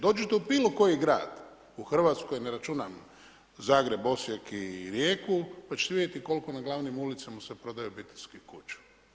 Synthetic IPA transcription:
d̪o̞ːd͡ʑet̪eubiːlˠoko̞jiɡɾa̰ːd̪ | uxr̩ʋat̪sko̞jneɾat͡ʃunam | zaːɡɾe̞bo̞sjekiɾjeːkupat͡ʃeseʋid̪ʲjet̪iko̞lkonaɡlˠaːʋnimulit̪samasepɾo̞d̪ajubit̪i̥skikut͡ʃḁ

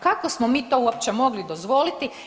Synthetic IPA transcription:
kako̞smomiːt̪o̞ːuop̚t͡ʃemo̞ɡlid̪o̞zʋo̞ːlit̪i

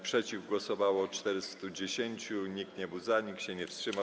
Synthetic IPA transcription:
pʂɛt͡ɕivɡwɔsɔvawɔt͡ʂt̪ɛɾɘst̪ud͡ʑeɕeɲt͡ɕuɲik̚t̪ɲɛbɘwzaɲikɕɛɲɛfstʂɘma

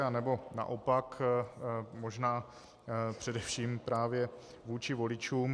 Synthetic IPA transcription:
anɛbo̞na̰ʔopak | mo̞ʒnaː | pr̝̥ɛdɛfʃiːmpɾaːvjɛ | vuːt͡ʃɪvo̞lɪt͡ʃuːm

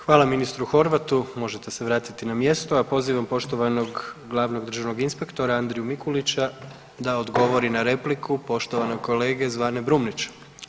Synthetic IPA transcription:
xʋaːlˠaminist̪ɾuxo̞ɾʋat̪umo̞ʒe̞t̪e̞se̞ʋɾaːt̪it̪inamje̞st̪oapo̞ziːʋampo̞ʃt̪oʋano̞ɡɡlˠaːʋno̞ɡd̪r̩ʒaʋno̞ɡinspe̞kt̪o̞ɾaand̪ɾijumikulit͡ɕa | d̪aod̪ɡo̞ʋo̞ɾinaɾe̞plikʰupo̞ʃt̪oʋano̞ko̞leːɡe̞zʋaːne̞bɾumnit͡ɕu̥

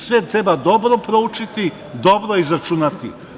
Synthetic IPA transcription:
sʋeːt̪̚t̪ːɾe̞bad̪o̞bɾopɾo̞ut͡ʃit̪i | d̪o̞bɾoizɾat͡ʃunat̪ḭ

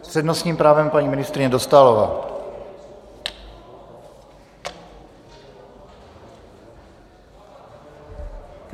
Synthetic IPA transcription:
ssɛd̪nɔsɲiːmpɾaːvɛmpaɲiminist̪ɾiɲɛd̪ɔst̪alɔʋa̰ː

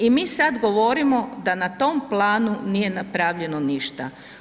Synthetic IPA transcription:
imiːsad̪ɡo̞ʋo̞ɾimo̞d̪anat̪o̞mplˠaːnunije̞napɾaʋʎe̞noniʃt̪a̰

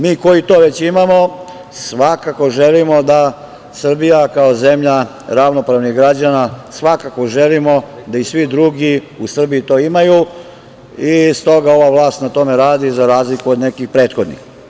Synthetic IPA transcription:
miːko̞jit̪o̞ːʋe̞t͡ɕimamo̞ | sʋakako̞ʒe̞limo̞d̪a | sr̩bijakaoze̞mʎa | ɾaʋno̞pɾaʋniɣɡɾad͡ʑanasʋakako̞ʒe̞limo̞d̪aisʋid̪ɾuɡi | usr̩biit̪o̞ːimaju | ist̪o̞ɡao̞ʋaʋlˠaːst̪nat̪o̞me̞ɾaːd̪izaɾaːzlikuod̪ne̞kixpɾe̞ːt̪xo̞d̪nḭx

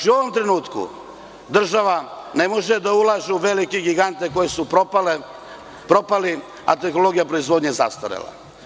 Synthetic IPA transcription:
t͡ʃiuo̞ʋo̞mt̪ɾenuːt̪kṵ | d̪r̩ʒaʋa | ne̞mo̞ʒed̪aulˠaːʒeuʋe̞likeɡiɡant̪ekojesupl | pɾo̞pali | a̰t̪exnolo̞ɡijapɾoizʋo̞d̪ɲezast̪oɾḛla̰

